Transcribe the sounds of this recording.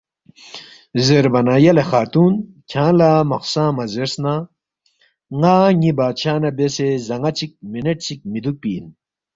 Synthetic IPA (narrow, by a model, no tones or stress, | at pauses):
zeɾbɐnajɐlexaːt̪uːn | kʲʰãːlamɐxsãːmɐzeɾsna | ŋaːŋibaːt͡ɕʰaːnɐbesezɐŋɡɐt͡sik̚mineʈ̚t͡sʰik̚mid̪uk̚piːn